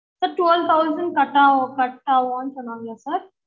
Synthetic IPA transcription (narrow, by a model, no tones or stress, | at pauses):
sɐɾʈʋɛlt̪ʰaʊzə̃ɳɖ̚kɐʈːakɐʈːaːʋaːnsʊnaːɡjaːsɐɾ